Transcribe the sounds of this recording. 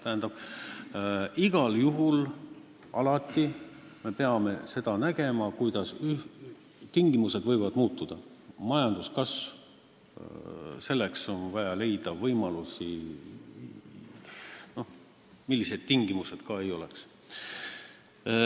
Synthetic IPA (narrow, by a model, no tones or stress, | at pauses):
t̪æɦænd̪ɑb̥ | iɡ̥ɑljuɦul | ɑ̰lɑt̪ːˑi | me̞pe̞ɑme̞se̞d̪̥ɑnæɡ̥e̞mɑkujd̪ɑsy | t̪iŋɡ̥imuse̞d̪vɤjvɑd̪muːt̪ːˑud̪̥ɑmɑjɑnd̪̥uskɑs | se̞lːekso̞nvɑjɑle̞jd̪ɑvɤjmɑlusi | no̞h | milːise̞d̪̥̚t̪iŋɡ̥imuse̞d̪̥kɑe̞jo̞leks